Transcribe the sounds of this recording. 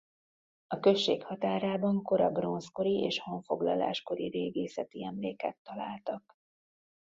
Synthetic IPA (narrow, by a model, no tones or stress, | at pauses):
ɒkø̞ʃːeːkhɒt̪aːɾaːbɒŋko̞ɾɒbro̞nsko̞ɾieːʃho̞ɱfo̞ɡlɒ̰la̰ːʃko̞ɾiɾeːɡeːsɛt̪iɛmleːkɛt̪ːɒlaːlt̪ɒk